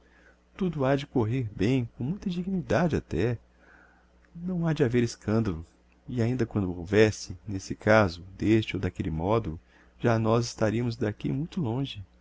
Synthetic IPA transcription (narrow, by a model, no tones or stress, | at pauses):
t̪ud̪ʊad͡ʒɪkoɦeɾbẽj̃kõmũj̃t̪ɐd͡ʒiɡinid̪ad͡ʒɪat̪ɛ | nɐ̃w̃ad͡ʒɪaveɾɪskɐ̃nd̪ɐlʊ | ɪaĩnd̪ɐkwɐ̃nd̪ʊowvɛsɪnesɪkazʊd̪est͡ʃɪowd̪akelɪmɔd̪ʊ | ʒ̥anɔzɪst̪aɾiɐmʊzd̪akḭmũj̃t̪ʊlõʒɪ